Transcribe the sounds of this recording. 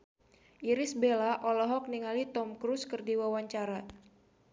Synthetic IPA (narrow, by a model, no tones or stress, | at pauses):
ʔiɾisbelaʔɔlɔɦɔk̚niŋalit̪ɔmkɾuskərdiwawaɲt͡ʃaɾa